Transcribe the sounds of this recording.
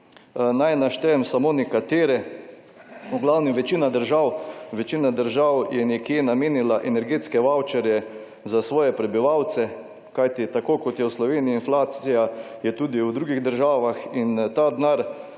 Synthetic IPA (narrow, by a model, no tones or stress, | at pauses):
najnaʃt̪ɛɛmsamoːnɛkat̪eːɾɛ | ɔɡlawniʋɛt͡ʃinad̪əɾʒawʋɛt͡ʃiːnad̪əɾʒawjɛnɛkjenameːnilaʔɛnɛɾɡeːt̪skɛʋawt͡ʃɛɾjɛ | zasʋɔːjɛpɾɛbiʋawt̪sɛ | kajt̪it̪akoːkɔt̪jɛwslɔʋeːnijinflaːt̪sija | jɛt̪uːd̪iwd̪ɾuːɡiɣd̪əɾʒaːʋaxint̪ad̪naɾ